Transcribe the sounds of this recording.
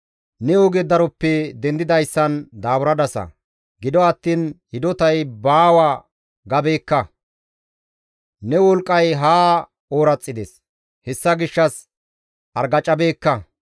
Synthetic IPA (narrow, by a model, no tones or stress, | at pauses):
nɛɔɡɛd̪ɐɾɔpːɛd̪ɛnd̪ɪd̪ɐjsːɐnd̪aːbʊɾɐd̪ɐsɐ̰ | ɡɪd̪ɔɐt̪ːiːnhɪd̪ɔt̪ɐjbaːwa | ɡɐbe̞ːkːɐ | nɛwɔlkʼːɐjɦaː | oːɾɐt͡sʼːɪd̪ɛs | hɛsːɐɡɪʃːɐs | ʔɐɾɡɐt͡ʃʼːɐbe̞ːkːɐ